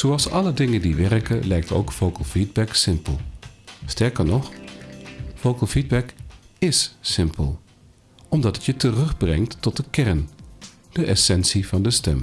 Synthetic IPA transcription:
z̥owɑlˠsɑlədɪŋəndiʋɛrkəlɛjkto̰wkfowkəl̩ˠfid̚bɛksɪmpəlˠstɛɹkəɹnɔχ | fowkəlˠfid̚bɛkɪssɪmpʰəlˠ | ɔmdɑtətjətərɵχbrɛ̰ŋtːɔt̚dəkɛɹn | d̥əʔɛsɛnsivɑndəstɛm

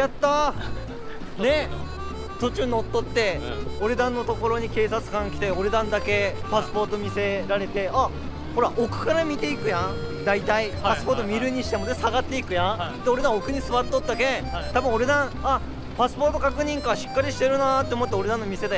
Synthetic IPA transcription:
jat̪ːa | ne̞ | t̪o̞t͡ɕɨːno̞t̪ːo̞t̪ːe̞o̞ɾe̞d̪ãnːo̞t̪o̞ko̞ɾo̞ɲ̟ike̞ːsat͡sɨ̥kãŋkʲi̥t̪e̞o̞ɾe̞d̪ãnd̪ake̞pasɨ̥po̞ːt̪o̞mʲise̞ɾaɾe̞t̪e̞a | ho̞ɾaʔokɯ̟̥kaɾamʲit̪e̞ikɯ̟jãd̪ait̪aipasɨ̥po̞ːt̪omʲiɾɯ̟ɲ̟iɕi̥t̪e̞mod̪esaɡat̪ːeikɯ̟jãt̪eo̞ɾe̞d̪ãokɯ̟ɲ̟isɨβat̪ːot̪ːaɡẽt̪abɯ̟̃o̞ɾe̞d̪ãɰ̃a | pasɨ̥po̞ːt̪o̞kakɯ̟ɲ̟ĩŋkaɕi̥kːaɾʲiɕi̥t̪e̞ɾɯ̟nat̪ːeomo̞t̪ːeo̞ɾe̞d̪ãnːo̞mʲise̞d̪a

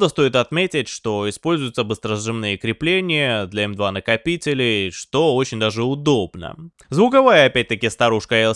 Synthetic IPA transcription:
d̪əst̪o̞ɪt̪ɐt̪mʲetʲɪtʲʂt̪o̞ɪspo̞lʲzʊjʊt̪səbɨst̪ɾəzʐɨmnɨjəkɾʲɪplʲenʲɪjəd̪lʲɛɛmd̪vanəkɐpʲitʲɪlʲɪʂt̪o̞o̞t͡ɕɪnʲd̪aʐɨʊd̪o̞bnə̰ | zvʊkɐvajəɐpʲæt̚ʲt̪əkʲɪst̪ɐɾuʂkəɛlˠ

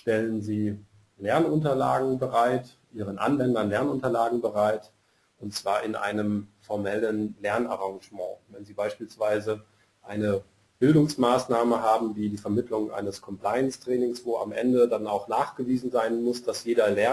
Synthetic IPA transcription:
ʃtɛlənziː | lɛɐnʊntɐlaːɡŋ̩bəʁaɪt | ʔiːʁənʔa̰nvɛndɐnlɛɐnʊntɐlaːɡŋ̩bəʁaɪt | ʊntt͡sv̥aːɐʔɪnʔa̰ɪnəmfɔɐmɛlənlɛɐna̰ʁãŋʒmɑ̰̃ːvɛnziːbaɪʃpiːlsv̥aɪzə | ʔaɪnə | b̥ɪldʊŋsmaːsnaːməɦaːbm̩viːdiːfɛɐmɪtʰlʊŋʔa̰ɪnəskʰɔmpl̥aɪənstʁ̥ɛːnɪŋsv̥oːʔa̰mʔɛ̰ndədanaʊxnaːχɡ̥əviːzn̩zaɪnmʊsd̥asjeːɾɐlɛɐ

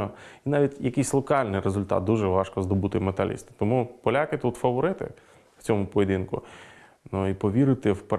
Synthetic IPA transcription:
ɔinɑʋʲitʲjɐkɪjsʲlˠɔkɑlʲnɪjɾezʊlʲt̪ɑ̰t̪̚d̪uʒɛʋɑʃkɔzd̪ɔbut̪ɪmet̪ɐ̰lʲḭst̪ɪ̥t̪ɔmupɔlʲakɪt̪ut̪fɐʋɔɾɪt̪ɪ̰ | w̥t͡sʲɔmʊpɔʋʲed̪ʲinkʊ̰ | nuipɔʋʲiɾɪt̪ɪwp

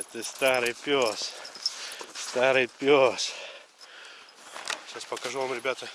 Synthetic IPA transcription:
t̪ɨst̪aɾɨjpʲos | st̪aɾɨjpʲos | ɕaspəkɐʐuvamɾʲɪbʲat̪ə

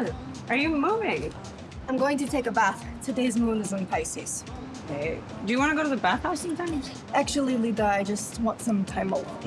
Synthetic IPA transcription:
ʔə˞jɨmuvɪ̃ŋ | ãɪ̃mɡoʊɪ̃ŋtʰɨtʰeɪkəbæθtʰɨðizmɔnzə̃npʰeɪsɪz̥ | keɪ | d̥ɨjɨwɑ̃ñɨɡoʊɾɨðɨbæθhaʊsɨ̃nfʌ̃nɪʃ | æk̚t͡ʃul̩ˠilˠidaɪd͡ʒʌstwɑ̃ntsʌ̃mtʰãɪ̃mɔl

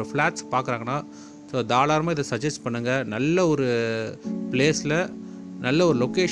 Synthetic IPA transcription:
ɐflaːʈspaːɾkɯɾaːŋɡɐnãː | soːd̪aːlaːɾmaːɪðɐsɐd͡ʒɐsʈpɐɳːɯŋɡɐnɐlːɐɔɾɯ | pleːsɪlɐnɐlːɐɔɾɯlɔkeː

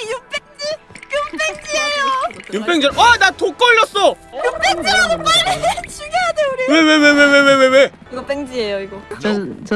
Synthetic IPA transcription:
jump͈eŋd͡ʑijumpʰeŋd͡ʑiejojump͈eŋd͡ʑiʌnatok͈ʌʎːʌs͈ʌjupeŋd͡ʑiapaet͡ɕʰiɡeadeuɾiwewewewewewewewe | iɡʌp͈eŋd͡ʑie̞joiɡʌ

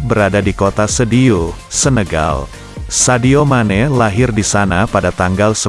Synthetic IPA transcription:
bəɾadadikot̪asədiosənəɡa̰l | sadiomanɛlaɦɪrdisanapadat̪aŋɡalsə

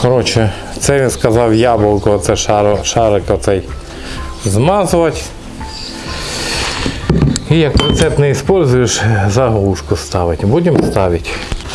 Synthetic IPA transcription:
kɔɾɔt͡ʃɛ | t̪sɛʋʲinskɐzɑwjɑbˠɔkɔt̪sɛʃɾʃɑɾɪkɔt̪sɛj | zmɑzʊʋɐtʲ | ijɐk̚pɾɔt̪sɛpt̪nɛispɔlʲzʊjeʃzɐɦɦuʃkʊst̪ɑʋɪtʲbudʲɪmst̪ɑʋʲɪtʲ

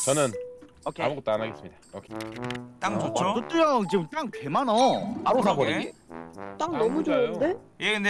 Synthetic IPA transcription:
t͡ɕʌnɯn | ʌkʰea̰mɯɡot͈oanaɡe̞s͈ɯmɲid̥ao̰kʰet͈aŋookɯt͈ɯjʌt͡ɕiɡɯt͈aŋkwemanʌaɾosaɡoɾit͈aŋnʌmud͡ʑode̞ | jekɯnde

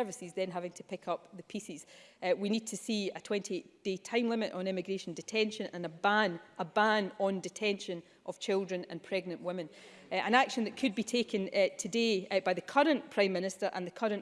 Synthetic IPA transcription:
ɜ˞vɪsizðə̃nɦavɪ̃ŋtʰəpʰɪkʰʌp̚ðəpʰisiz̥winid̚tʰəsiətʰw̥ɛ̃ntieʔd̥etʰãɪ̃mlˠɪ̃mɪʔn̩ɪ̃mɪɡɹeʃə̃n̩dɪtʰɛ̃nʃə̃nʔə̰̃nəbãnʔəbãnə̃ndɪtʰɛ̃nʃə̃n | ʔəv̥t͡ʃʰɪlˠdɹə̃nə̰̃npʰɹ̥ɛɡnə̃nʔwɪmɪ̃nʔə̃nakʃə̃nðəʔkʰɨd̚bitʰekʰə̃ntʰədeb̥aɪðəkʰʌɹə̃npʰɹ̥ãɪ̃mːɪ̃nɪstə˞ʔə̰̃nðəkʰʌɹə̃nʔ

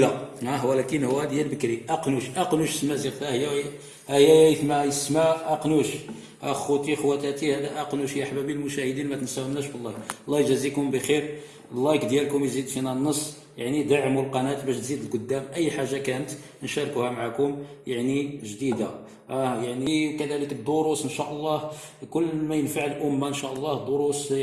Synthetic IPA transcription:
læhæwælækənhʊwːæd̪jælbəkɾiʔɑqnuʃʔɑqnuʃəsmæziɾt̪æhjæ | hæhjːæjæəθmæjəsmaʔɑqnuʃ | hæxut̪ixwæt̪æt̪ihæd̪æʔæqnuʃjæʔħbæbilmʊʃæhəd̪inmæt̪ənsæwəmnæʃblˤːɑlˤːɑʒæzikʊmbəxiɾ | əlːɑjkd̪jælkʊmjzid̪finænːəsˤː | jaʕnid̪aʕmulqɑnæt̪bæʃt̪zid̪əlqʊd̪ːæmʔəjːħaʒːakænət̪ | nʃɑɾˤkuhæmaʕakʊmjaʕniʒd̪id̪a | ʔæjaʕnikæd̪æləkəd̪ʊɾusənʃæʔəlˤːɑh | kʊlːmæjənfaʕəlʔʊmːaənʃæʔəlˤːɑhd̪ˤoɾus

